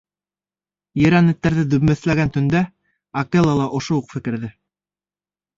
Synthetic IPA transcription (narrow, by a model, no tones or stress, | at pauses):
jɘ̆ɾænɘ̆t̪ːæɾðɘd̪ɵ̆βmæ̆θlæɡænt̪ɵ̆nd̪æ | ɐkelˠɑlˠɑʔŏʃouqfɘ̆kɘ̆ɾðɘ